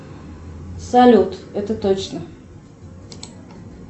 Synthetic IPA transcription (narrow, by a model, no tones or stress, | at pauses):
sɐlʲut̪ɛt̪ət̪ot͡ɕnə